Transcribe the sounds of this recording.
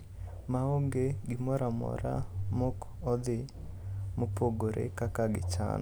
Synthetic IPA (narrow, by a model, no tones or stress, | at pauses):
maoŋɡeɡɪmɔɾamɔ̰ɾa̰mʊk | ɔd̪ɪ | mopoɡoɾʔḛkakaɡɪ̰t͡ʃa̰n